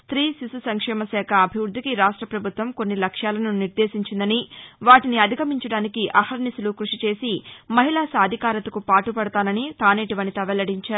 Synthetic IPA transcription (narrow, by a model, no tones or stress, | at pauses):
st̪ɾiːsisusɐŋkʂɛːmɐsɛːkʰɐːbʱiʋɾud̪ʱːikiɾaːʂʈɾɐpɾɐbʱut̪ʋɐmko̞nːilɐkʂjaːlɐnuniɾd̪eːsiɲt͡ʃind̪ɐniʋaːʈiniɐd̪ʱiɡɐmiɲt͡ʃɐɽaːnikiʔɐhɐɾɳisulukɾuʂit͡ʃe̞ːsimɐɦilaːsaːd̪ʱikaːɾɐt̪ɐkupaːʈupɐɽɐt̪aːnɐnit̪aːneːʈiʋɐnit̪ɐʋɛlɐɽiɲt͡ʃaːɾu